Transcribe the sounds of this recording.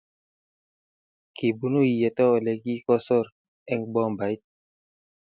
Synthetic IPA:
ki˨bu˦nu˦ji˨jɛ˨tɔ˦ɔ˨lɛ˨ki˦kɔ˦sɔ˦˨ɾ | ɛ˦ŋbɔ˦ŋba˨i˦t̚

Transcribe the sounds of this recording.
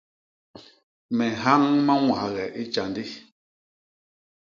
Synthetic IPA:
mɛ˨ɦa˦ŋma˦ŋwa˨ɣɛ˨ʔi˦t͡ʃa˨ndi˦

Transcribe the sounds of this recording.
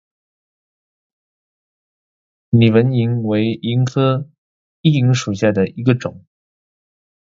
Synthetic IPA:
ni˨˩wə˧˥ni˧˥ŋwe˧˥ɪi˧˥ŋkʰɤ˥ | i˥˩i˧˥ŋʂu˨˩ɕja˥˩d̪ə˩i˧˥ɡə˧ʈ͡ʂʊ̰˨˩˦ŋ

